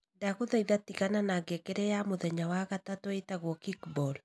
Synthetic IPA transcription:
daɣoðaiðatiɣananaɡekeɾɛjamoðɛɲawaɣatatoetaɣwɔkikbɔl

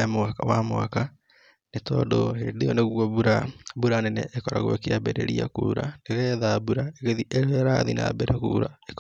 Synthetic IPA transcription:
emoakawamoa̰ka | netɔdoheːndeoneɣwɔβuɾabuɾanɛnɛ̰ʔekɔɾa̰ɣoḛkeabɛɾɛ̰ɾia̰kṵːɾa̰neɣɛðabuɾaeɣeðiʔeɾoeɾaðina̰bɛɾɛkuːɾaek

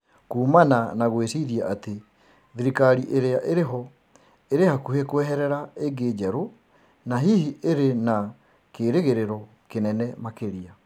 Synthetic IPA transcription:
kuːmananaɣwesiɾiaʔate | ðiɾikaɾiʔeɾeaʔeɾeɦɔ | eɾehakuhekoɛɦɛɾɛɾaeɡeːd͡ʒɛɾo | naɦihiʔeɾena | keːɾeɣeɾeɾɔ | kenɛnɛmakeɾia

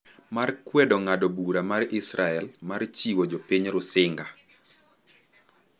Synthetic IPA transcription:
markwɛdɔŋadɔbuɾamarɪsɾaɛlmart͡ʃiwɔd͡ʒɔpiɲɾʊsɪŋɡa

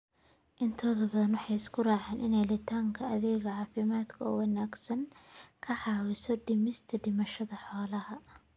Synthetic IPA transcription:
ʔɪnt̪ʰɔːðɐbɐðɐnwʊħɑjɪskʰʊraːʕeːnʔɪ̰nɛjlɪt̪ʰaːŋkʰɐɐðɛːɣɐʕɑːfɪmaːd̪kʰɐɔ̰ːwɑnaːɡsɐŋkʰɐħɑːwɪsɔɖɪmɪst̪ʰɐɖɪmɐʃɐðɐħɔːlɐhɐ

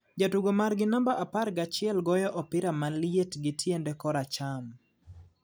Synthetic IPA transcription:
d͡ʒatuɡomarɡɪnambaʔapaɾɡat͡ʃɪɛlɡɔjɔʔɔpɪɾamaljetɡɪtʰjendɛkɔɾat͡ʃam

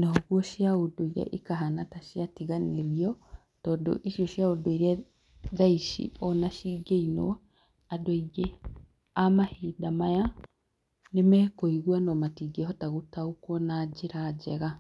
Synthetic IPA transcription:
nɔɣwɔʃjaodoiɾɛ̰ʔikaɦanataʃiatiɣaneɾiɔ | tɔːdo̰ʔiʃiɔʃjaodoiɾɛ | zaiʃḭɔnaʃiɡeinɔ̰ | adwiɡe | amahedamaja | nemɛkoiɣwanɔmatiɡehɔtaɣotaokwɔnad͡ʒeɾad͡ʒɛɣa

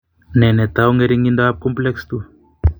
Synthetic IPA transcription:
nɛnɛt̪auŋɡɛɾiŋɡindaakɔmplɛkst̪u

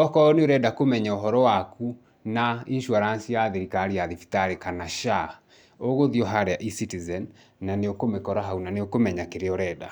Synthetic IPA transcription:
ɔkɔɔneoɾɛdakomɛɲɛoɦɔɾɔwaku | nainʃuaɾansijaðeɾikaɾiaðifi̥taɾekanaʃa | oɣoðiɔɦaɾɛaʔisitizɛnː | aneokomekɔɾaɦaunaneokomɛɲakeɾeɔɾɛda̰

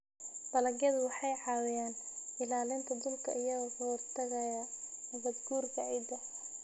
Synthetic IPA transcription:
b̥ɐlɐɣjɐðʊwɑħɑjʕɑːwɪjaːn | ɪlaːlɪnt̪ʰɐd̪ʊlkʰɐ̰ʔɪjɐɣɐkʰɐhɔrt̪ʰɐɣɐjɐ | nɐɣɐd̪ɡuːrkʰɐɛjd̪ɐ

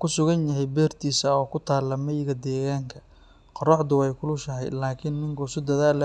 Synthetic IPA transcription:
kʰʊsʊɣɐnjɐɦɛjbɛːrt̪ʰiːsɐɔːkʰʊt̪ʰaːlːɐmɛjɪɣɐd̪ɛːɣaːŋkʰɐ̥ | qɔɾɔʕd̪ʊwɛjkʰʊlʊʃɐɦɛ̰jlaːkʰɪnːɪŋkʰʊsɪd̪ɐðaːl

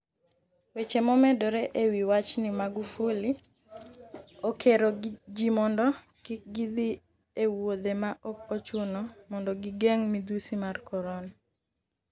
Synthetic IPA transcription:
wet͡ʃemɔmɛdɔɾɛʔewiwat͡ʃnimaɡufoli | okʰeɾod͡ʒimɔndɔ | kɪk̚ɡid̪i | ewod̪emaʔɔkot͡ʃonɔmɔndɔɡɪɡeŋmid̪usimarkɔɾɔn

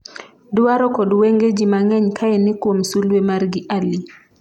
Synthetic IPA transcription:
dʊwaɾɔkɔdweŋɡed͡ʒimaŋɛɲkʰaɛnɪkwomsulwemarɡɪʔali

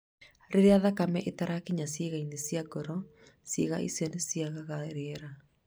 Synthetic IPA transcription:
ɾeɾeaðakamɛʔetaɾakiɲasjeːɣainesjaɡɔɾɔ | siɣa̰ʔḭsenesiaɣaɣaɾɛɾa

